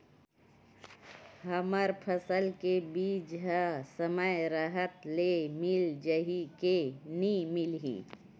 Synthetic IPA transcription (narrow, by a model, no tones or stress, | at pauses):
ɦəməɾpʰəsəlkebiːd͡ʒɦəsəməjɾəɦət̪lemɪld͡ʒəɦikenimɪlɦḭ